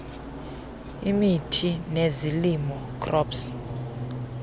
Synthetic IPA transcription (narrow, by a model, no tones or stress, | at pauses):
imitʰinezilimɔkʰʼrɔːpsi̥